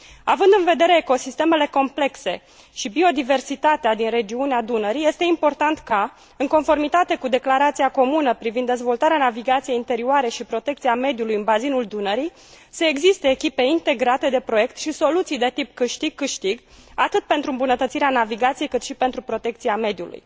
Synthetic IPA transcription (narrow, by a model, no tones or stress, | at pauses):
avɨnd̪ɨnve̞d̪e̞ɾe̞ːko̞sist̪e̞me̞le̞ko̞mple̞kse̞̰ | ʃibio̞d̪ive̞rsit̪at̪ead̪inre̞d͡ʒiunead̪unəɾijest̪e̞impo̞rt̪ant̪ka | ɨŋko̞nfo̞rmit̪at̪e̞kud̪e̞klaɾat̪siako̞munəpɾivind̪ːezvo̞lt̪aɾeanaviɡat̪sije̞int̪e̞ɾiuaɾe̞ʃipɾo̞t̪e̞kt̪siame̞d̪julujɨnbazinuld̪unəɾij | səeɡzist̪e̞ːkʲipe̞int̪e̞ɡɾat̪e̞d̪e̞pɾo̞je̞kt̪ʃiso̞lut̪sijd̪e̞t̪ipkɨʃt̪iɡ̚kːɨʃt̪iɡ | at̪ɨt̪̚pe̞nt̪ɾuɨmbunət̪ət̪siɾeanaviɡat̪siejkɨt̪ʃipe̞nt̪ɾupɾo̞t̪e̞k̚t̪siame̞d̪julṵj